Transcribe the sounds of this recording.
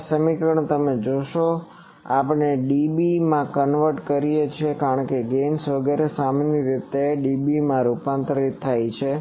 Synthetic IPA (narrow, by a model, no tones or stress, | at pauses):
səmikəɳ̃t̪əmed͡ʒoʃo | a̰pəɳeɖibimãkənʋəɾʈkəɾijet͡ʃʰekaɾəɳkeɡensʋəɡɛɾesaməniɾit̪eɖibimãɾupant̪ɾəɾit̪ʰːajt͡ʃʰe